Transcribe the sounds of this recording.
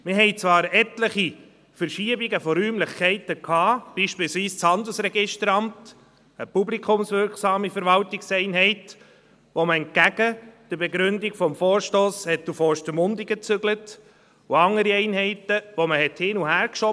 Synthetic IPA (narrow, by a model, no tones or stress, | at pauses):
mɪɦɛɪt͡sʋɑːɾɛtləχi | fəɾʃiəbiɡəfɔɾyːmlɪχkʰɛɪtəkʰɑːb̥iːʃpiːlsʋiːst͡shɑnd̪əl̩sɾɛɡɪʃtəɾɑmt | əpublikʰʊmsvɪɾksɑːmifəɾvɑltɪksɛɪnɦɛɪt | ʋoməɛnt̚ɡ̥æɡ̥əd̥əbɛɡɾʏndɪɡfɔmfɔːɾʃtoːshɛtufɔʃtəmʊndɪɡət͡sʏɡlət | uɑŋːəɾiɛɪnɦɛɪtəʋɔməhɛthɪnuhæːɾkʃɔ